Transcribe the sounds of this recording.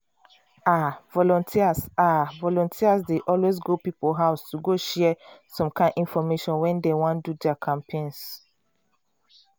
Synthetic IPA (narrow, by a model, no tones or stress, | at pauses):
avɔlɔ̃ntʰiasavɔlɔ̃ntʰiasdeʔɔlwezɡopipoɦaʊstuɡoʃɛsɔ̃mkãɪ̃ndĩnfɔmeʃɔ̃nwɛ̃ndewɔ̃ndudɛakʰãmpʰẽns